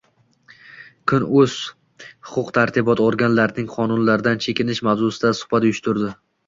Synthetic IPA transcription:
kʰʊnɵz̥ | hʊqʰʊqt̪ʰaɾt̪ʰɪbɒt̪oɾɡʲanlaɾnɪŋqʰɒnʊnlaɾɪd̪ant͡ʃʰe̞kʲɪnɪʃmavzʊsɪd̪asʊ̥hbat̪ʊjʊʃt̪ʰʊɾd̪ɪ

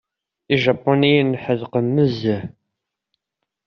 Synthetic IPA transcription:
iʒɑpːunijənħəðqəmːəzæ

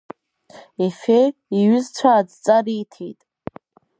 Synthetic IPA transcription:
efejiɥʏzt͡sʷʰaːd͡zt͡sʼariːtʰḛjtʼ

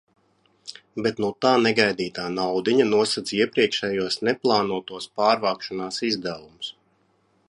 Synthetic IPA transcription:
bɛt̪nut̪aːnɛɡajd̪iːt̪aːnawd̪iɲanuɔsat̪siɛpɾiɛkʃɛːjuɔsnɛplˠaːnuɔt̪uɔspaːɾvaːkʃanaːsizd̪ævumus

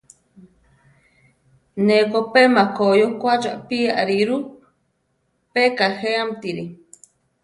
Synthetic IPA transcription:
nekopemakojokʷat͡ʃaʔpiaɾiɾu | pekaheamt̪iɾi

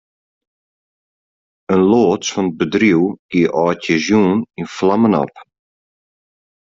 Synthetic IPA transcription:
ənloːtsfɔnət̚bədriwɡ̥iəʔɔːtjəzjuːninflamənɔ̰p

